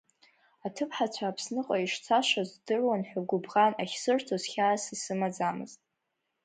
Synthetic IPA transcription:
atʰɨpʰħat͡ɕʷʰaːpʰsnɨqʼaiʂt͡sʰaʃazdɨrwanħᶣaɡʷʊbʁanaχʲsɨrtʰozχʲaːsisɨmad͡zamɨ̰ztʼ

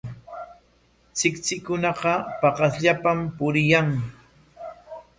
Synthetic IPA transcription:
t͡sɪkt͡sɪkʊnɑqɑpɑqɑsʎapampʊɾɪjaŋ

